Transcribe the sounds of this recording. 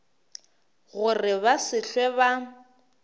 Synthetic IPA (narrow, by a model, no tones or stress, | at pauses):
ɣʊrɪβasɪɬwɛβa